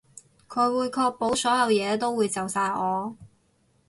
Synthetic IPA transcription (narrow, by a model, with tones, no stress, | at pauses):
kʰɵ˨˧ɥwuː˨˧jkʰɔː˧k̚po˨˥wsɔː˨˥jɐ˨˧wjɛː˨˧t̪o˥wuː˨˧jt͡sɐ˨wsaː˧jɔː˨˧